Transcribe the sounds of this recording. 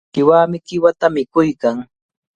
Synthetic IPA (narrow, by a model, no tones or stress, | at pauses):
kɪwaːmɪkɪwat̪amɪkʊjkaŋ